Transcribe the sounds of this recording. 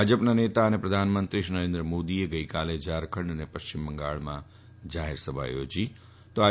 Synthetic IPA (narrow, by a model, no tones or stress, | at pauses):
ad͡ʒəpnanet̪aənepɾəd̪ʱanmənt̪ɾiʃnəɾẽnd̪ɾəmod̪ieɡəjkaled͡ʒaɾkʰəɳɖənepəʃt͡ʃimbəŋɡa̰ɭmã̰ | d͡ʒaɦeɾsəbʱa̰jo̰d͡ʒi | t̪oa